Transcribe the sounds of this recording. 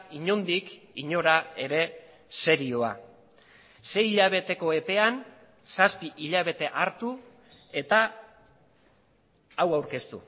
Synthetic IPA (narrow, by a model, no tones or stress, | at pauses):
iɲo̞nd̪ik | iɲo̞ɾae̞ɾe̞ | se̞ɾio̞a | se̞jiʎaβ̞e̞t̪e̞ko̞e̞pe̞an | saspiʔiʎaβ̞e̞t̪e̞ʔaɾt̪u | e̞t̪a | wawɾke̞st̪ṵ